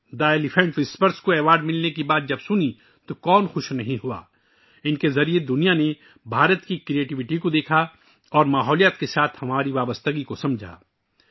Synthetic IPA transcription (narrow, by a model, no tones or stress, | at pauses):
daːjlɪfʰɛ̃ɳʈʋɪspəɾskoɛːʋaːɾɖmɪlnekibaːt̪̚d͡ʒɐbsʊni | t̪okɔːnxʊʃnɐɦĩɦua̰ː | ɪnkezɐɾied̪ʊnijane | bʱaːɾət̪kikɾieːʈɪʋɪʈikod̪eːkʰa | ɔːɾmaːɦɔːlijət̪kesaːt̪ʰhɐmaːɾiʋaːbəst̪əɡikosɐ̃md͡ʒʱa̰ː